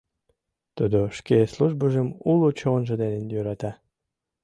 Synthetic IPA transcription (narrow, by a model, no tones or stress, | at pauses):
t̪ud̪oʃkesluʒbəʒəmulut͡ɕonʒəd̪enenjøɾɑt̪ɑ